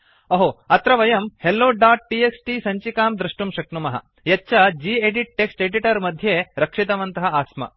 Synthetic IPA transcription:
ɐɦoːɐt̪ɾɐʋɐjɐmhelːoːɖaːʈ̚ʈieksʈiːsɐɲt͡ʃikaːmd̪ɾiʂʈumʃɐknumɐɦɐ̰ | jɐtːʃɐd͡ʒiːeɖiʈ̚ːeksʈeɖiʈɐɾmɐd̪ʱjeːɾɐkʂit̪ɐʋɐnt̪ɐɦɐaːsmɐ̰

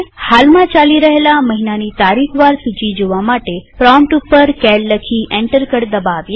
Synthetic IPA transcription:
halmãt͡ʃaliɾəɦelaməɦinanit̪aɾikʰʋaɾsud͡ʒid͡ʒoʋamaʈepɾɔmʈupːəɾkɛlːəkʰiʔɛ̃ɳʈəɾkəɾd̪əbaʋje

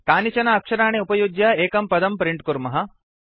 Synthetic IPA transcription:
kaːnit͡ʃɐnɐːkʂɐɾaːɳeupɐjuɡjaeːkɐmpɐd̪ɐmpɾiɳʈkuɾmɐɦɐ

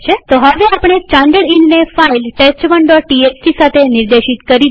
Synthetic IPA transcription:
t͡ʃʰet̪oɦəʋeapɽ̃est͡ʃãɳɖəɽinnefailʈest͡ʃʋəɳɖɔʈʈiessisat̪ʰenɪɾd̪eʃit̪kəɾi

